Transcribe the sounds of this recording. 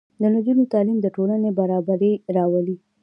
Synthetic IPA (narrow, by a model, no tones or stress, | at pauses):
d̪ənʊd͡ʒunot̪ɑlimd̪əʈolanebaɾɑbaɾeɾɑwəli